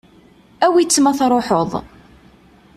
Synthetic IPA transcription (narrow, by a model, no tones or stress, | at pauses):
æwit͡sːmæθɾˤoħoðˤ